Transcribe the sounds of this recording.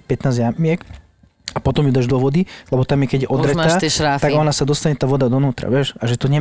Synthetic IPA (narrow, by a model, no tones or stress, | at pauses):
pɛt̪naːzjamɪɛk | apɔt̪ɔmjud̪aːʒd̪ɔʋɔd̪ilɛbɔt̪amjɛkɛɟjɛʔɔd̪ɾɛt̪aːʃɾat̪aɡɡɔnasad̪ɔst̪aɲɛt̪aːʋɔd̪ad̪ɔnuːt̪ɾa̰ʋjɛʃaʒɛt̪ɔɲɛ